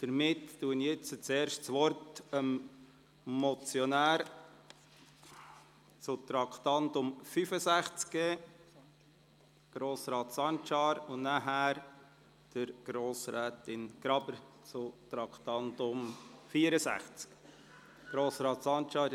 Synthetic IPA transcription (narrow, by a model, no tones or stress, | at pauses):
d̥əɾmɪtːuənjɛt͡sət͡seːɾʃtt͡sʋɔɾtəm | mɔt͡sjɔnæːɾ | t͡sʊt̪ɾɑkʰt̪ɑntʊmfyfəsæχt͡skːeː | ɡ̥ɾoːsɾɑːtsɑnt͡ʃɑːɾʊnnæɦæːɾ | d̥əɾɡ̥ɾoːsɾæːtɪnɡ̥ɾɑbəɾ | t͡sʊt̪ɾɑkt̪ɑntʊmfiəɾəsæ̰χt͡sk | ɡ̥ɾoːsɾɑːt̪sɑnt͡ʃɑːɾ